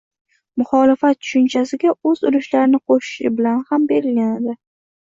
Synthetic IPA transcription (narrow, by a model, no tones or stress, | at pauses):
mʊχɒlɪfat̪t͡ʃʰʊ̥ʃʊnt͡ʃʰasɪɡʲaɵzʊɾʊʃlaɾɪnɪqʰoʃɪ̥ʃɪ̰bɪlanhambe̞ɾɪlɡʲanad̪ɪ